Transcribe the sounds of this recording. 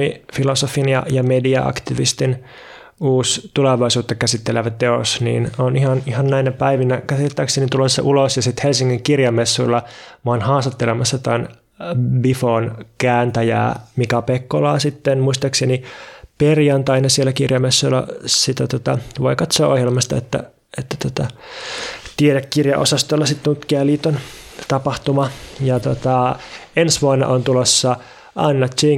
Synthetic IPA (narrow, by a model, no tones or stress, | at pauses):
ifilosofinjɑ̰jɑmediɑ̰ɑ̰kt̪iʋḭst̪in | uːst̪uleʋɑisuːt̪ːɑkæsit̪ːeleʋætt̪ːeo̰snḭːnonihɑnihɑnnæinæpæiʋinækæsitt̪ːæksenit̪ulesːɑ̰ʔulosjɑsit̪helsiŋːiŋkirjɑmesːuilːɑmɑnhɑːst̪ɑt̪ːelemɑsːɑt̪æn | bifonkæːnt̪æjæ̰ːmikɑpekːolɑːsit̪ːenmuist̪ɑkseniperjɑnt̪ɑinesielːækirjɑmesːulːɑ̰sit̪æt̪ot̪ɑʋoikɑt̪soːʔohjelmɑst̪ɑ̰et̪ːæ̰ | et̪ːæt̪ot̪ɑ | t̪ieɾekːirjɑ̰ʔo̰sɑst̪olːɑsit̪nut̪kiæliːt̪ːont̪ɑpɑht̪umɑjɑt̪ot̪ɑensʋuonːɑ̰ʔont̪ulosːɑ | ʔɑnːɑt̪t͡ʃi